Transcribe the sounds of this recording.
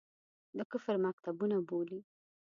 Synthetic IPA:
d̪əkʊfɾmak̚t̪abunaboli

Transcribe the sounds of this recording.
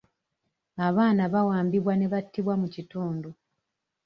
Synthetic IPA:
aβaːnaβawaːmbiβwane̞βatʰːiβwamucituːndu

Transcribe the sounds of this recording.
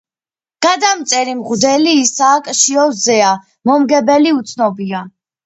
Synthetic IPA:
ɡ̥ad̪amt̪sʼɛɾimʁd̪ɛliːsaːkʼʃiɔzɛa | mɔmɡɛbɛliut̪sʰnɔbia

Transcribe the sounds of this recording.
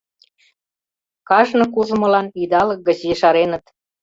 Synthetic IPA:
kɑʒnɤ̆k̬uʒə̆mɤ̆lɑnid̪ɑlɤ̆k̚ɡə̆t͡ɕeʃɑɾenə̆t̪

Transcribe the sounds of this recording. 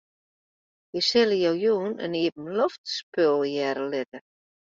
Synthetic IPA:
jəsɪləjowjuːnə̰niəpm̩lɔftspølˠjɛɾəlɪtə

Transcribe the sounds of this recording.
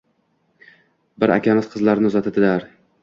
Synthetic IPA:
bɪɾa̰kʲʰamɪz̥qʰɨzlaɾnɪʊzat̪ʰɪd̪ɪlaɾ

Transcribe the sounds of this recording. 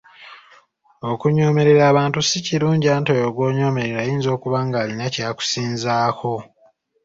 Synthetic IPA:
o̞kuɲo̞ːme̞ɾe̞ɾaːβaːntusiciɾuːɲɟiaːnto̞joɡwo̞ːɲo̞ːme̞ɾeɾaːjiːnzo̞ːkuβaŋɡaːlinacaːku̥siːnzaːkʰo̞

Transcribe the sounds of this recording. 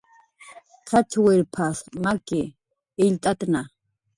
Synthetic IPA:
tʰat͡ʃʰwɛɾpʰasmakʼɪː | ʎt̪ʼat̪na

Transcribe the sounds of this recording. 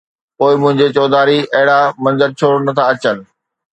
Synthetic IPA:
poːɪmʊ̃ɦɪ̃ɲ̆d͡ʑet͡ɕɔːd̪aːɾiɐɦɪɽamɐ̃nzəɾt͡ɕʰoːɽnɐt̪ʰaɐt͡ɕənɪ̆

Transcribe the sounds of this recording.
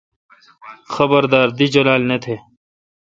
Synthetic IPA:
xɐbəɾd̪aːɾd̪id͡ʒɐlaːlnet̪ʰeː

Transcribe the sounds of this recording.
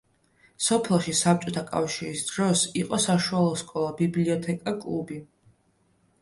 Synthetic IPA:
sɔpʰɛlˠʃisap̚t͡ʃʼɔt̪ʰakʼa̰fʃiɾisd̪̥ɾɔsiqʼɔsaʃualˠɔskʼɔlˠabibliɔt̪ʰɛkʼakʼlˠubi

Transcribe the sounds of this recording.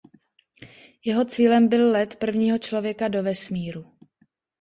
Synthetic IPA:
jɛɦo̞t͡siːlɛmbɪllɛt̪pr̩vɲiːɦo̞t͡ʃlo̞vjɛkado̞vɛsmiːɾu

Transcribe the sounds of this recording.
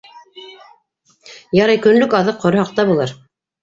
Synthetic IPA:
jɑɾɑjkɵ̆nlɵkɑðɤqːŏɾɤhɑq̚t̪ɑbulˠɤɾ

